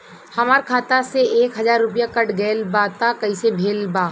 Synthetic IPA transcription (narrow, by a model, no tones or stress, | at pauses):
hɐmaːɾkʰaːt̪aseeːkɦɐzaːɾːʊpijakɐʈɡeːlbaːt̪akɐisebʱeːlbaː